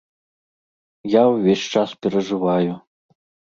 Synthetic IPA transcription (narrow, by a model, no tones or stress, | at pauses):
jawvʲeɕʲt͡ʂaspʲɛɾɐʐɨvaju